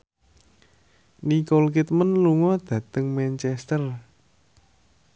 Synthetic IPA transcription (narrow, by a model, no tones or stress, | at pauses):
nikolkit̪mənluŋɔd̪̥ä̤t̪əŋmɛnt͡ʃɛst̪ər